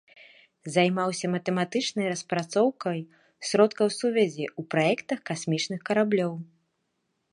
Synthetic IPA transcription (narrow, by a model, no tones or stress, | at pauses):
zajmawsʲɐmɐt̪ɛmat̪ɨt͡ʂnɐjrɐspɾat̪sɔwkɐj | sɾɔt̪kɐwsuvʲɛzʲiupɾajɛkt̪ɐxkasʲmʲit͡ʂnɨxkɐɾablʲɔw